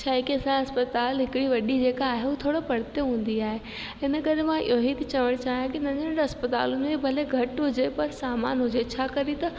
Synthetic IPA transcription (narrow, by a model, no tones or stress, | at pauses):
t͡ɕʰaːikiɐsãɦɐspət̪aːlɦɪkɪɽiʋɐɗid͡ʑeːkaːɦeuːt̪ʰoːɽopɐɽ̤t̪eɦũːn̆d̪iaːɦe | ɪnəkɐɾemãʔḭjoɦit̪ɐt͡ɕɐʋəɽ̃t͡ɕaːɦjãkinɐ̃ɲʱəɽʈɐspət̪a̰ːlʊnebʱɐleɡʱɐʈɦʊd͡ʑepɐɾsaːma̰ːnɦʊd͡ʑet͡ɕʰaːkɐɾit̪ɐ